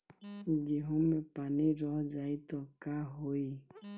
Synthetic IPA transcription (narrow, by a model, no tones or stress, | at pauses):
ɡeɦomepaneɾɔd͡ʒaitɔkaɦoi